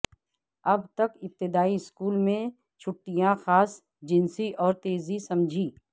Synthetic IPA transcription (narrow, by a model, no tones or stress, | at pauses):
ɐbt̪ɐkɪp̚t̪ɪd̪aːiɪskuːlmẽ | t͡ʃʰʊʈːijãxaːs | d͡ʒɪnsiʔɔːɾt̪eːzisɐmd͡ʒʱiː